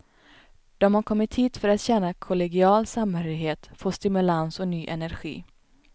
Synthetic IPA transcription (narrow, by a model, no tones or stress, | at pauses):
d̪̥ɔmhaɾkʰɔmːɪt̪hiːt̪fœɾat̪ɕɛnːakʰʊlɛɡɪɑːlsamhœɾɪɦeːt̪foːʂt̪ɪmɵlansɔnyːʔɛnæɾɧḭː